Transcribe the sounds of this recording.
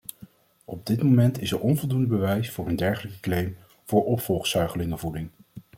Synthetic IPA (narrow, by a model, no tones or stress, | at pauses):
ɔb̚dɪtmomɛntɪsəɹʔɔnvɔlˠdundəbəʋɛjsfʊːɹəndɛɹχələkə̥klejm | v̥ʊːɹɔpfɔlˠχsœɥχəlɪŋəvudɪŋ